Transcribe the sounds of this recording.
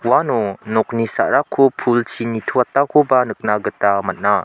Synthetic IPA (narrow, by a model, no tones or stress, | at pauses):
wanonɔk̚nisa̰ʔɾakʰːopʰult͡ʃʰinitʰuatːakʰobanɯk̚naɡɯtamat̚na